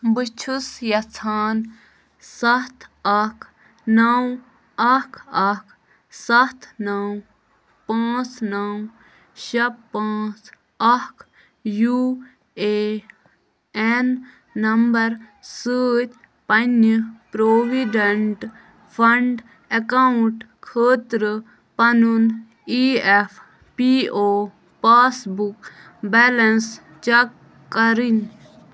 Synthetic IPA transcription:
bɨt͡ʃʰusjɐt͡sʰaːn | sɐt̪ʰɐkʰ | nɐw | ɐkʰɐkʰ | sɐt̪ʰnɐw | pãːt͡snɐw | ʃɐbpːãːt͡s | ɐkʰ | ju | eː | enː | ɐmbɐɾ | səːt̪ | pɐnipɾoːʋiɖɐɳʈ | pʰɐɳɖ | ɐkauɳʈ | kʰəːt̪ɾə | pɐnun | iːefʰ | piːoː | paːsbuk | bɛlɐns | t͡ʃɐkː | ɐɾin

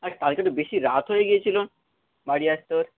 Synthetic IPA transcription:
at̪alketobeʃiɾat̪ɦojeɡijet͡ɕʰilon | baɽiast̪oɾ

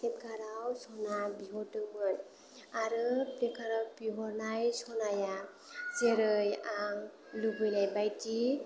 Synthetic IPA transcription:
set̚kaɾawsɔnabiɦɔtɯbɯɾ | aɾɯpɾekaɾawpiɦɔɾnajsɔnaja | seɾɯjaŋ | lubɯjlajbajti

